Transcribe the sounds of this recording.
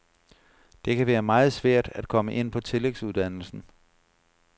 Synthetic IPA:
d̥e̝kʰæʋæːɐmɑ̈ːð̞̩ˠsʋæɐ̰d̥æd̥̚kʰɒ̽məʔe̝n̰pʰɒ̽t͡sʰe̝leɡ̥suð̞̩ˠd̥æn̰l̩sn̩

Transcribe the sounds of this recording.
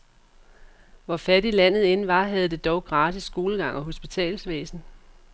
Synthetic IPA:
ʋɒfæd̥ilæn̰ð̞̩ˠe̝nʋɑ̈ɦæð̞̩ˠd̥e̝d̥ɒʊɡ̥ʁɑ̈ːd̥isːɡ̥o̝ːləɡ̥ɑ̈ŋ̰ɒ̽ɦo̝sb̥it͡sʰɛ̰ːlsʋḛːsn̩

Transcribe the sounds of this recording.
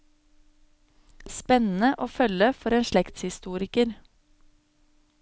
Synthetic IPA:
spɛnn̩əʔoːfœləfɔɾeːnʃɭɛkt̪shɪst̪uːɾɪkəɾ

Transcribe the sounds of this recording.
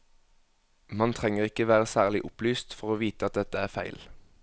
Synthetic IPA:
mɑnt̪ʰʁɛŋəʁɪkəʋæːʁəsæːʁlɪʔʊplyːst̪fɔʁoːʋiːt̪əɑt̪̚d̪ɛt̪əæːʁfæɪl

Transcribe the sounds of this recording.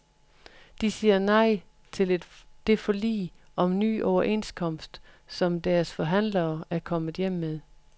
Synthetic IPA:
d̥isiːɐnɑ̈ɪ̰ | e̝ld̥e̝fɒ̽lḭː | ʔɒ̽mny̰ːʔɒʊɐʔe̝nskʰɒ̽m̰sd̥sɒ̽md̥æɐsfɒ̽ɦæn̰lɐːæɐkʰɒ̽mð̩ˠjem̰með̞ˠ

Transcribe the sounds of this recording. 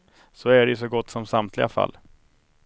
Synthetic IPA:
sɔæɖɛɵs̬ɔɡɔt̪ːsɔmsamt̪ʰlɪɡa̰fa̰lː

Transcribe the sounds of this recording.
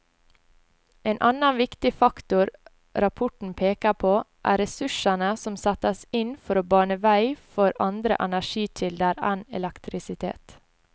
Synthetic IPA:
ʔeːnʔɑnɑnʋɪkt̪ɪfɑkt̪ʊɾ | ɾɑpʰʊʈɳ̩pʰeːkɑpʰoːʔæ̰ːɾɛsʉʃənəsɔmsæt̪əsɪnfɔɾoːbɑːɳəʋæɪfɔɾɑnd̪ɾə̰ʔɛnæʃiːt̪ʰɪld̪əɾænɛ̰lɛkt̪ʰɾɪsɪt̪ʰḛːt̪

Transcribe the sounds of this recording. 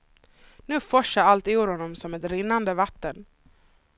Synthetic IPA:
nʉ̟ːfɔʂaɾalt̪ɪuːɾhɔnːɔmsɔmɛt̪ɾɪnːand̪əvat̪ːən

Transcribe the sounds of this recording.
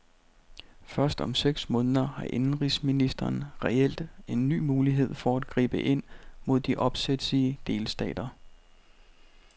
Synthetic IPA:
fɶɐsd̥ɒ̽mseɡ̥smɔ̽ːnðˠɐhɑ̈ʔe̝nn̩ʁisminisd̥ɐːnʁɛel̰d̥e̝nːy̰ːmuːliɦe̝ð̞̰ˠfɒæd̥ɡ̥ʁḭːb̥əʔe̝n̰mo̝ð̞̰ˠd̥iʔɒ̽b̥sed̥sid̥e̝ːlsd̥ɛ̰ːd̥ɐ

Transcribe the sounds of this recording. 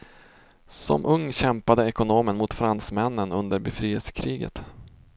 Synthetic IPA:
sɔ̰mʔɵŋːɕɛmpad̪əɛkʊnoːmənmʊt̪fɾansmɛnːənɵnd̪əɾbɛfɾiːəlsə̥kʰɾiːɡə̰t̪

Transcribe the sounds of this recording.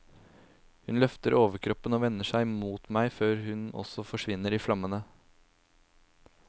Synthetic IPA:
hʉnlœft̪əɾʔoːʋəɾkʰɾɔpːənoːʋɛnːəʂæɪmuːt̪mæɪføːɾhʉnɔ̰sɔfɔʂʋɪnːəɾiːflɑmənə

